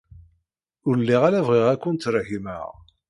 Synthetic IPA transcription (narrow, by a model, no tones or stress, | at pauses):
ʊɾlːiʁalævʁeʁækʷːənt̪ɾhimæ̰ʁ